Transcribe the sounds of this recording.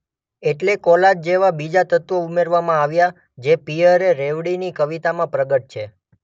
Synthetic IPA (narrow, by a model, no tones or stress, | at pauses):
eʈlekɔlad͡ʒd͡ʒeʋabid͡ʒat̪ət̪ʋoumeɾʋamãaʋja | d͡ʒepiəɾeɾeʋɽinikəʋit̪amãpɾəɡəʈ̚t͡ʃʰe